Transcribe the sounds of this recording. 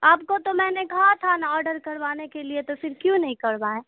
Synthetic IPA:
aːp̚kot̪omɛ̃ːnekɐɦat̪ʰanaɔːɾɖəɾkɐɾʋaːnekeliet̪ofɪɾkjũnɐɦĩkɐɾʋaːẽː

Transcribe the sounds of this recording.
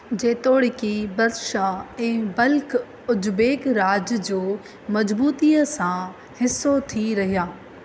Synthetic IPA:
d͡ʑeːt̪oːɽɪkibɐɾʃaɛ̃ːbɐlk | ʊd͡ʑbeːkɾaːd͡ʑd͡ʑoː | mɐd͡ʑbuːt̪iːəsã | hɪsːot̪ʰiɾɐɦijaː

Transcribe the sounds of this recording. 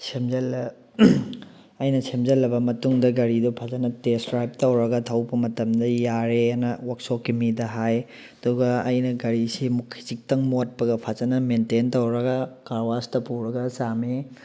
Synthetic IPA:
semzɐl | ɐjnɐsemzɐlːɐbɐmɐtuŋdɐɡɐɾidupʰazɐnɐtestɾajp̚tɐwɾɐɡɐtʰɐwbɐmɐtɐmdɐjaɾenɐwɐk̚sokːimidɐɦaj | ɐduɡɐɐjnɐɡɐɾisimukʰi̥zik̚tɐŋmot̚pɐɡɐpʰazɐnɐmententɐwɾɐɡɐkaɾwastɐpuɾɐɡɐsame

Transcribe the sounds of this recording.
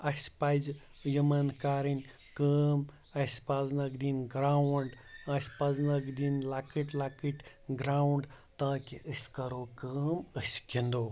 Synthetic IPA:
ɐsʲpajd͡ʒ | jimɐnkaːɾinʲ | kəːm | ɐsʲpaznɐkd̪inɡɾawɳɖɐsʲpɐznɐkd̪inlaːkiʈlaːkiʈ | ɡɾawuɳɖ | t̪aːkiʔəsʲkɐɾokəːməsʲkʲind̪oː

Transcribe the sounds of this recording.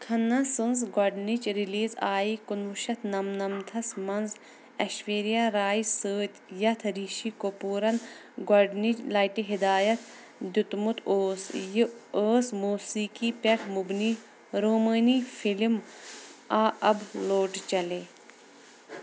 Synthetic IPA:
kʰɐnːɐsɨnzɡaɖnit͡ʃɾiliːzaːikunʋuʃɐt̪ʰnɐmnɐmt̪ʰɐsmɐnz | ɐʃʋeːɾijaːɾaːisəːt̪ʲjɐt̪ʰɾiːʃikopuːɾɐn | ɡaɖnit͡ʃlaːjʈiɦid̪aːjɐt̪ʰ | d̪ut̪mut̪ʰoːs | əːsmuːsiːkiːpɐʈʰmubni | ɾoːməːniːfilm | aːɐbloːʈt͡ʃɐleː

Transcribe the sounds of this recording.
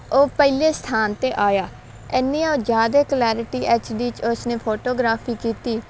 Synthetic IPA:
oːpəɪleːst̪ʰaːnt̪eːʔaːjaː | ɛːniːãoːd͡ʒaːd̪eːklɛːɾɪʈiːʔɛːt͡ʃɖiːt͡ʃʊsneːpʰoːʈoːɡɾaːpʰiːkiːt̪iː

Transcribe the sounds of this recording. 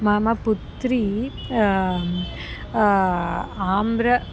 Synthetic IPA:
maːmapʊt̪ːɾi | aːmbɾɐ

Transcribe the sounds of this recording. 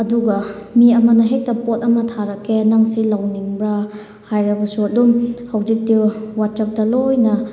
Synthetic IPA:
ɐduɡɐmiɐmɐnɐɦek̚tɐpot̚ɐmɐtʰaɾɐkʰːenaŋsilawniŋbɾɐ | hajɾɐbɐsuɐdumhɐwd͡ʒik̚tiwat̚t͡ʃɐp̚tɐlojnɐ

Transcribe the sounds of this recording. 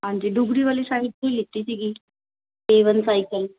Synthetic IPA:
and͡ʑiɖuɡɽiʋəliːsaɦit̪̚keliːt̪it͡ɕiɡiː | eʋənsajkəl

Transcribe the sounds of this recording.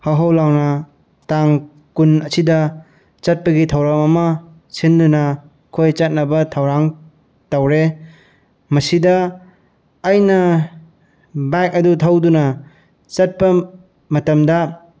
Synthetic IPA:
haɦawlawnɐ | taŋ | kunɐsidɐ | t͡ʃɐt̚pɐɡitʰɐwɾamɐmɐ | sindunɐ | kʰojt͡ʃɐt̚nɐbɐtʰɐwɾaŋ | tawɾe | mɐsidɐː | jnɐ | bajk̚ɐdutʰawdunɐ | t͡ʃɐt̚pɐ | mɐtɐmdɐ

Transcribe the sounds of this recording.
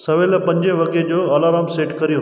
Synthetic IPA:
sɐʋelɐpɐ̃ɲd͡ʑeʋɐɡed͡ʑoːaːlaːɾaːmseːʈkɐɾijũ

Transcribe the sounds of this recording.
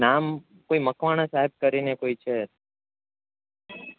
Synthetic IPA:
nam | koiməkʋaɽ̃ãsaɦeb̚kəɾinekoit͡ʃʰe

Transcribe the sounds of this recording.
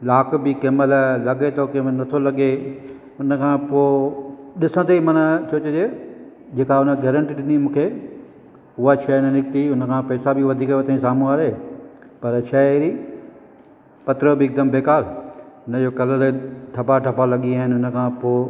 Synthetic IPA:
laːkbɪkeːməllɐɠet̪ʰokemənɐt̪ʰolɐɠe | ʊnə̆kʰãːpoːɗɪsə̃t̪ʰeimɐnə̆t͡ɕʰoːt͡ɕod͡ʑeː | d͡ʑeːkaʊnə̆ɡɛːɾə̃ɳʈiːɗɪnimũːkʰe | ʊɦaʃɐnɐnɪk̚t̪iʊnə̆kʰãːpɐːsabɪʋɐd̪ʱiːkʋot̪ʰaĩsaːmũaːɾeː | pɐɾʃɐɾi | pɐt̪ɾobɪːk̚d̪əmbeːkaːɾʊnəd͡ʑokɐləleʈʰɐbaʈʰɐpalɐɠiaːɦɪnɪʊnə̆kʰãːpoː

